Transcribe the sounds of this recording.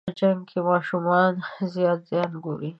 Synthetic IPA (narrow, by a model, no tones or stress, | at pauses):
d͡ʒaŋɡkʰemɑʃumɑnzjɑt̪zjɑnɡoɾi